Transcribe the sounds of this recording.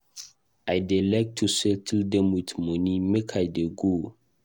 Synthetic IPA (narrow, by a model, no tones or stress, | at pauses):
ajdilak̚tʰːusɛtʰildɛ̃mwitmɔ̃nimekʰajdeɡo